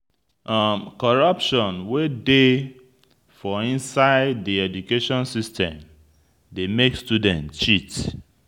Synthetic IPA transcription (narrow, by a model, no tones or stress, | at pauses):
ʔamkɔɹʌpʃɔ̃nwede | fɔĩnsaɪddiɛd͡ʒukeʃɔ̃nsistʰɛ̰̃m | demekstudɛ̃ntt͡ʃit